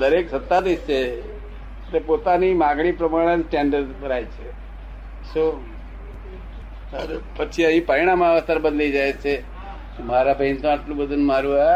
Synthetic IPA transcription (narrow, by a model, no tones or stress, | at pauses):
d̪əɾeksət̪ːad̪ist͡ʃʰe | t̪epot̪animãɡɽipɾəmaɽ̃ensʈɛ̃ɳɖəɾbəɾajt͡ʃʰe | so | əɾepət͡ʃʰiə̃ɦĩpəɾiɽ̃amaʋəst̪əɾbəd̪lid͡ʒajt͡ʃʰe | omaɾabʱeint̪õaʈlũbəd̪ʱunmaɾũa